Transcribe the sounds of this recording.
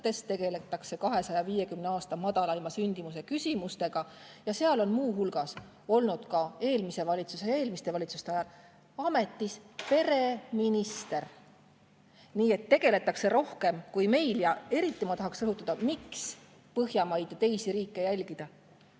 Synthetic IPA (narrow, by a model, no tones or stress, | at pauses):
t̪e̞st̪ːe̞ɡ̥e̞le̞t̪ːˑɑkse̞kɑɦe̞sɑjɑviːje̞kymneɑːst̪ɑmɑd̪̥ɑlɑimɑsynʲd̪̥imus̬e̞kysʲimust̪e̞ɡ̥ɑjɑseɑlo̞nmuːɦulɡ̥ɑs | o̞lnud̪̥kɑe̞ːlmise̞vɑlʲit̪susee̞ːlmist̪e̞vɑlʲit̪su̥st̪e̞ɑjɑl | ɑme̞t̪ːˑispe̞ɾe̞minist̪e̞ɾ | niːe̞t̪ːe̞ɡ̥e̞le̞t̪ːˑɑkse̞ɾo̞hke̞mkujme̞jljɑe̞ɾit̪ːimɑt̪ɑɦɑksrɤɦut̪ːɑd̪ɑmiks | pɤɦjɑmɑjd̪̥t̪e̞jsiɾiːkːe̞jælʲɡ̥id̪̥ɑ